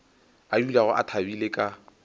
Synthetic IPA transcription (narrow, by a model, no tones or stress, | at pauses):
ajulaɣʊʔa̰tʰabilekʼa